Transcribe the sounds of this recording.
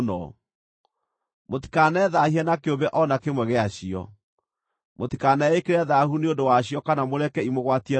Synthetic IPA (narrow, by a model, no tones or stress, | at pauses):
nɔ | moti̥kanɛðahiɛnakeobɛʔɔnakemwɛɣɛaɕiɔ̰ | motikanɛekeɾɛðahuneondowaɕiɔkanamoɾɛkɛimoɣwatiɛ